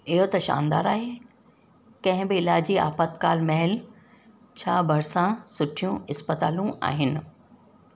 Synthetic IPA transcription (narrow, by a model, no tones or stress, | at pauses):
ɪɦot̪ɐʃa̰ːnd̪a̰ːɾaːɦeː | kɐ̃ɦɪ̃bɪɪlaːd͡ʑia̰ːpət̪kaːlmɐɦɪl | t͡ɕʰaːbɐɾsãsʊʈʰijũɪspət̪aːlũʔa̰ːɦɪnɪ̆